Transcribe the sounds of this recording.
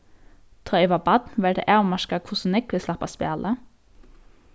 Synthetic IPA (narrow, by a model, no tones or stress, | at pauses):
t̪ʰʁœɪʋɑbɑd̪nʋɛld̪ə̰ʔeːmɑʃkɑkʰʊsn̩ɪkʋɪslɑpɑ̰spḛːlʔə